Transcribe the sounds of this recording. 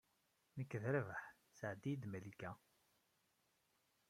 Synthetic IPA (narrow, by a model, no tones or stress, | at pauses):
nəkːəðɾəvəħ | səʕd̪id̪mælikæ